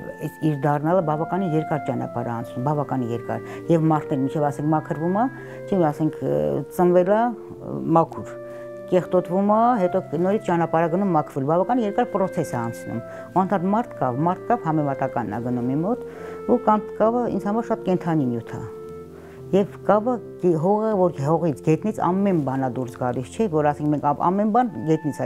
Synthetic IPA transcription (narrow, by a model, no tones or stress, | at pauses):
ɛiɾd̪ɑrnɑləbɑvɑkɑnijɛɾkɑɾt͡ʃɑnɑ̰pɑ̰ɾɑ̰ɑnt͡sʰnumbɑvɑkɑnijɛɾkɑ̰ɾ | jɛvmɑɾt̪ʰnɛɾmint͡ʃʰɛvɑsɛŋkʰmɑkʰəɾvumɑ | t͡ʃʰɛɑsɛŋkʰt͡sənvɛlɑ | mɑkʰuɾ | kɛχt̪ɔt̪vumɑɦɛt̪ɔnɔɾit͡sʰt͡ʃɑnɑpɑɾɑɡənumːɑkʰvɛlbɑvɑkɑninjɛɾkɑɾpɾɔt͡sʰɛsɛɑnt͡sʰnṵm | uɑnt̪ʰɑt̪mɑɾt̪ʰkɑ̰vmɑɾt̪ʰkɑvhɑmɛmɑt̪ɑkɑnːɑ̰ɡənumːimɔt̪ | ukɑmkɑvəḭnd͡zhɑmɑɾʃɑt̪kɛnt̪ʰɑnimjut̪ʰɑ̰ | jɛvkɑvə | ɦɔʁəvɔɾɦɔʁit͡sʰɡɛt̪nit͡sʰɑ̰mːɛnbɑnɑd̪uɾsɡɑlist͡ʃʰɛvɔɾɑsɛŋkmɛŋkʰɑɑ̰mːɛnbɑnɡɛt̪nit͡sʰ